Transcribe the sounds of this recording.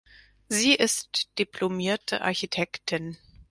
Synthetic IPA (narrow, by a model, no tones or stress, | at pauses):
ziːʔɪstd̥ipʰlomiːɐtʰə̰ʔa̰ɐçitʰɛktʰɪn